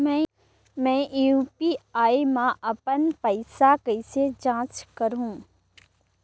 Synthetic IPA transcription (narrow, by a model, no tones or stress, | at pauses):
mɛ̃ | mɛ̃ːʔjuːpiaːimãʔɐpənpɐɪsakɐɪsed͡ʒãːt͡ʃkɐɾɦũː